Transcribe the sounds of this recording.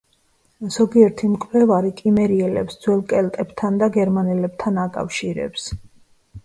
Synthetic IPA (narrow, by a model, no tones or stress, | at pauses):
z̥ɔɡiɛɾt̪ʰimkʼvɛvaɾikʼimɛɾiɛlɛ̰psd̪z̥wɛlˠkʼɛlt̪ʼɛbt̪ʰand̪aɡɛɾmanɛlɛb̥̚t̪ʰanakʼa̰fʃiɾɛ̰ps